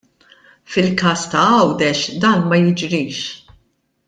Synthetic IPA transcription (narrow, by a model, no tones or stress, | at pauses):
fɪlkɐːst̪ɐɐwd̪ɛʃd̪ɐːnmɐjɪd͡ʒɾiːʃ